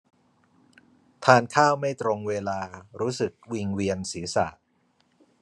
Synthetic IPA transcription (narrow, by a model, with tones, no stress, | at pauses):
t̪ʰaː˧nkʰaː˥˩wma˥˩jt̪ɾo˧ŋweː˧laː˧ɾuː˦˥sɯ˨˩k̚wi˧ŋwi˧ənsiː˩˦sa̰˨˩ʔ